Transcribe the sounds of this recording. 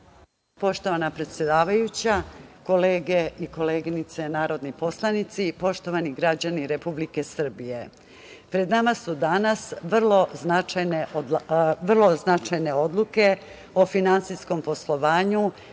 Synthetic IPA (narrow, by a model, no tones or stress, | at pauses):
po̞ʃt̪o̞ʋanapɾe̞t̪sjed̪aːʋajut͡ɕako̞leːɡeiko̞leːɡinit̪se̞naːɾo̞d̪nipo̞slˠanit̪sipo̞ʃt̪o̞ʋaniɡɾad͡ʑaniɾe̞publike̞sr̩bije̞ | pɾe̞d̪namasud̪anasʋr̩lˠo̞znat͡ʃajneoʋr̩lˠo̞znat͡ʃajne̞o̞d̪lˠuke̞ | ofinansisko̞mpo̞slˠo̞ʋaːɲu